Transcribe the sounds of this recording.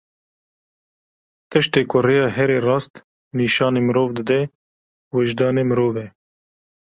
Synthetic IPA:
t̪ɨʃt̪eːkʰʊɾeːjɑːɦɛɾeːrɑːst̪ | niːʃɑːneːmɨɾoːvd̪ɨd̪ɛ | wɛʒd̪ɑːneːmɨɾoːvɛ

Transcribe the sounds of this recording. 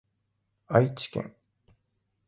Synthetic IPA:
ait͡ɕi̥kḛ̃ŋ

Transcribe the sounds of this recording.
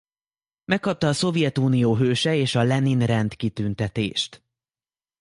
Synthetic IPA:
mɛkːɒp̚t̪ɒːso̞vjɛt̪uːnijoːɦøːʃɛeːʃɒlɛninrɛnt̪kit̪ynt̪ɛt̪ḛːʃt̪

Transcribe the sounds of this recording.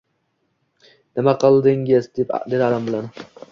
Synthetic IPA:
nɪmaqʰɨlˠd̪ɪŋɡʲɪzd̪epd̪ed̪ad̪ambɪlan

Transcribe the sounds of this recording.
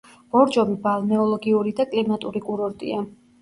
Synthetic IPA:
b̥ɔɾd͡ʒɔmibalˠnɛɔlˠɔɡiuɾid̪akʼlimat̪ʼuɾikʼuɾɔɾt̪ʼḭa

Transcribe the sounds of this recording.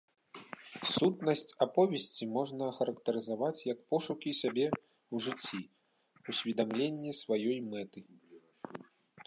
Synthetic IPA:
sut̪nɐsʲt͡sʲapɔvʲɛsʲt͡sʲimɔʐnɐxɐɾɐkt̪ɐɾɨzavat͡sʲjɐk̚pɔʂukʲisʲabʲɛ | uʐɨt͡sʲːi | usʲvʲid̪amlʲenʲːisvajɔjmɛt̪ɨ

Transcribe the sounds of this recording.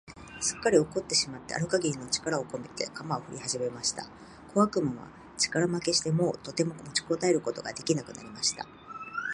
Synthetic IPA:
ɕɨ̥kːaɾʲio̞ko̞t̪ːe̞ɕimat̪ːeʔa̰ɾɯ̟kaɡʲiinot͡ɕi̥kaɾao̞ko̞me̞t̪e̞̰kamao̞ɸɯ̟ɾʲihaʑime̞maɕi̥t̪a̰ | kʰo̞βakɯ̟mama̰ | t͡ɕi̥kaɾamake̞ɕi̥t̪e̞mo̞ːt̪o̞t̪e̞mo̞mo̞t͡ɕi̥ko̞t̪aeɾɯ̟ko̞t̪o̞ɡad̪e̞kʲinakɯ̟̰na̰ɾʲimaɕi̥t̪a̰

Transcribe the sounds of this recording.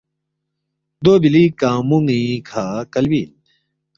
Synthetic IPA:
d̪oːbilikãːmuŋikʰaːkɐlbiːl

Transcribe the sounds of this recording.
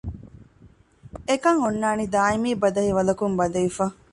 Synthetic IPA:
ekɐŋonːaːnid̪aːimiːbɐd̪ɐɦiʋɐlɐkumbɐd̪ɐjifɐ

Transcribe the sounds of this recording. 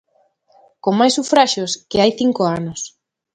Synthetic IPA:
koŋmajsufɾaʃoskɪajθiŋkoanos

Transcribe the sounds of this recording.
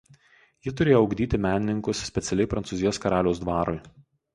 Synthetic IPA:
jit̪̬ʊɾʲeːjoɔɒʊɡd̪ʲiːt̪ʲɪmʲæːnʲɪnʲɪŋkʊssʲpʲɛt̪sʲɛlʲɛɪpɾɐnsʊzʲɪjoːskɐɾɑːlʲɛʊsd̪ʋɑːɾʊɪ

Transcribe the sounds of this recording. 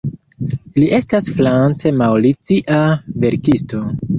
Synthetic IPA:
liʔe̞stasfɾant͡se̞mawlit͡siʔave̞ɾkisto̞

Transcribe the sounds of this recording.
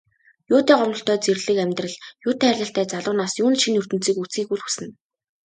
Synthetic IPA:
jʊːt̪æːɢɔmɞ̆ɬt̪œːt͡serɮɘ̆kæmʲt̪rə̆ɮjʊːt̪ʰæːrʲɮʲə̆ɬt̪æːt͡saɮʊːnaːsjuːnʃinɵr̥t̪ɘ̆n̥t͡siːkut͡siːkuɮxusɘ̆n

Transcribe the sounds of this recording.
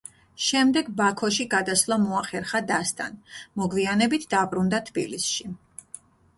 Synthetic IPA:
ʃɛmd̪ɛɡbakʰɔʃiɡad̪aslˠamɔaχɛɾχad̪ast̪ʼa̰nmɔɡvianɛbit̪ʰd̪abɾund̪at̪ʰbḭlisʃi

